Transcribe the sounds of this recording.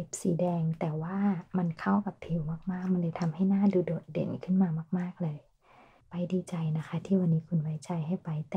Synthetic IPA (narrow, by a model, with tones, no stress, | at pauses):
e˨˧˦p̚siː˨˦dɛː˧ŋt̪ɛː˨˩waː˧˥˩ma˧˥˨nkʰa˧˥˩wka˧˦pʰi˨˦wmaː˧˥˩k̚maː˥˩k̚ma˧˥˨nljt̪ʰa˧mha˥˩jnaː˧˥˩duː˧doː˨˦t̪̚dḛ˨˩˦nkʰɯ˧˥˩nmaː˧maː˧˥˩k̚maː˥˩k̚lɤː˧j | pa˧jdiː˧˦t͡ɕa˨jna˦˥kʰa˦˥t̪ʰiː˥˩waː˧˨nːiː˦˥kʰu˧˨nwa˦˥jt͡ɕa˨˧jɦa˥˩jpa˨˧jt̪ː